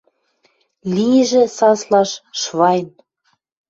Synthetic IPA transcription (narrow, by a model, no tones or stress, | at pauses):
liʒĕsɑslɑʃʃβɑjn